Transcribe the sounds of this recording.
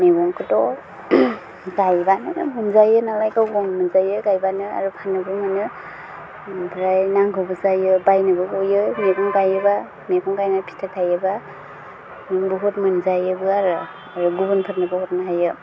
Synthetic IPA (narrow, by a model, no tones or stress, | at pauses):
meɡɔŋkʰɯtɔ | zajbanɯ̰mɯnzajɯnalajkawɡɔŋmɯnzajɯɡajbanɯa̰ɾupʰanɯbɯmɯnɯ | bɾajnaŋɡɯbɯzajɯbajnɯbɯɡojɯmekɔŋɡajɯba | mekʰɔŋɡajnapʰi̥tʰatʰajɯba | miŋbɯɦut̚mɯnzajɯbɯaɾɯ | aɾuɡubɯnpʰɯtnɯbɯhɔtnaɦajɯ